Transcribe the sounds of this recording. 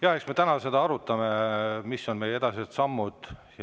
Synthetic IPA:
jɑhe̞ksme̞t̪ænɑse̞d̪̥ɑɑɾut̪ːˑɑme̞misːo̞nme̞je̞d̪̥ɑsit̪sɑmːud̪̥

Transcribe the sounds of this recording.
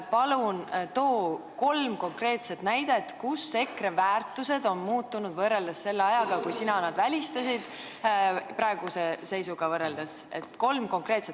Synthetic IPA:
pɑlunt̪o̞ːko̞lmko̞ŋkre̞ːt̪se̞t̪næjd̪̥e̞t̪kusːe̞kre̞væːrt̪ˑuse̞d̪o̞nmuːt̪ːunud̪vɤrːe̞ld̪̥ɑsse̞lːɑjɑɡ̥ɑkujsinɑnɑd̪̥vælʲist̪ɑsid̪̥ | pɾɑe̞ɡ̥use̞se̞jsuɡ̥ɑvɤrːe̞ld̪̥ɑse̞̰t̪ːko̞lmko̞ŋkre̞ːt̪se

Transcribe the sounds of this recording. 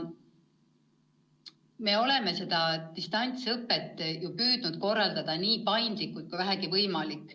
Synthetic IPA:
me̞ːo̞le̞me̞se̞d̪̥ɑt̪ist̪ɑnʲt̪sɤpːet̪ːjupyːd̪̥nud̪̥̚ko̞rːɑld̪̥ɑd̪̥ɑniːpɑjnd̪likːˑult̪̚kujvæɦæɡivɤjmɑlikːˑ

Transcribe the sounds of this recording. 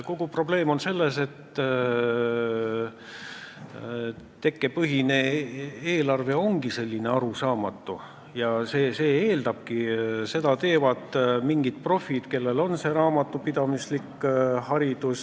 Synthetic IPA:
ko̞ɡ̥upro̞ble̞ːmo̞nse̞lːe̞se̞t̪ː | t̪e̞kːe̞pɤɦine̞eːlɑrve̞o̞ŋɡ̥ise̞lʲːine̞ɑɾusɑːmɑt̪ːˑu | jɑseːse̞ːeːld̪ɑb̥̚kise̞d̪ɑt̪e̞ːvɑd̪miŋɡ̥id̪̥̚pro̞fid̪̥ke̞lːe̞lo̞nse̞ɾɑːmɑt̪ːˑupid̪̥ɑmislikːhɑɾid̪̥us

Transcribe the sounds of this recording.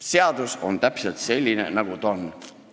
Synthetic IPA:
se̞ɑd̪̥uso̞̰nt̪æpselt̪se̞lʲːinḛnɑɡ̥ut̪o̞n

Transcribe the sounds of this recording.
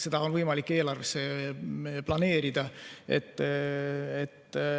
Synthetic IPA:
se̞d̪̥ɑonvɤjmɑlikːe̞ːlɑrvesːe̞ | plɑne̞ːɾid̪̥ɑḛt̪ː | et̪ː

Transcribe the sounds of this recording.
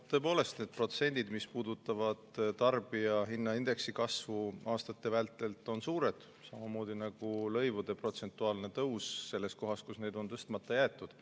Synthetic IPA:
t̪ːɤe̞p̬o̞ːle̞st̪et̪̚pro̞t̪se̞nʲd̪̥id̪mispuːd̪ut̪ːˑɑvɑd̪̥t̪ɑrb̥iɑɦinːɑind̪̥e̞ksikɑsvuɑːst̪ɑt̪ːˑe̞vælt̪ːˑe̞lt̪ːˑo̞nsuːɾe̞d̪̥ | sɑmɑmo̞ːd̪̥inɑɡ̥ulɤ̞jvud̪e̞pro̞t̪se̞nt̪ːˑuɑːlne̞t̪ɤwsse̞lːe̞s̚ko̞ɦɑskusne̞jd̪o̞nt̪ɤst̪mɑt̪ːˑɑjæːt̪ːˑud̪̥

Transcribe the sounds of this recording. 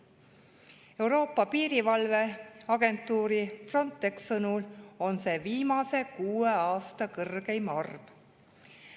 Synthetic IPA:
e̞wɾo̞ːpːˑɑpiːɾivɑlve̞ɑɡ̥e̞nt̪ːˑuːɾifro̞nt̪ːˑe̞ksɤnulo̞nse̞ːviːmɑse̞kuːe̞ɑːst̪ɑkɤrɡ̥e̞jmɑrv

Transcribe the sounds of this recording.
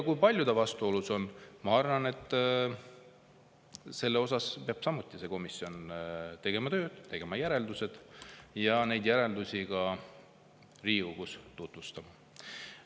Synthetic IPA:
kujpɑlʲjud̪̥ɑvɑst̪uo̞luso̞nmɑɑrvɑne̞t̪ːˑ | se̞lːeo̞sɑspeɑb̥sɑmut̪ːˑise̞ko̞misio̞nt̪e̞ɡ̥e̞mɑt̪ø̞ːd̪̥t̪e̞ɡ̥e̞mɑjæɾe̞ld̪use̞d̪̥jɑne̞jd̪̥jæɾe̞ld̪usʲiɡɑ | riːuɡust̪ut̪vust̪ɑmɑ

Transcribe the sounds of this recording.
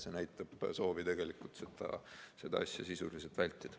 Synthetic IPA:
se̞næjt̪ːˑɑb̥so̞ːvit̪e̞ɡ̥e̞likːˑult̪set̪ɑ̰se̞d̪ɑɑsʲjɑsisuliselt̪vælʲt̪ːˑid̪̥

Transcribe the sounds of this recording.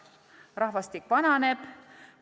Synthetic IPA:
rɑhvɑst̪ikvɑnɑneb̥

